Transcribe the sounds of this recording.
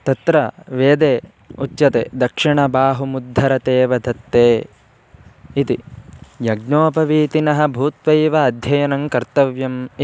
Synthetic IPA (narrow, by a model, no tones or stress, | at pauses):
t̪ɐt̪ɾɐʋeːd̪eː | utːʃɐt̪eːd̪ɐkʂiɳɐbaːɦumud̪ʱːɐɾɐt̪eːʋɐd̪ʱɐt̪ːeː | it̪ijɐɡnoːpɐʋiːt̪inɐɦɐ̆bʱuːt̪ʋɐjʋɐːd̪ʱjɐjɐnɐŋkɐɾt̪ɐʋjɐm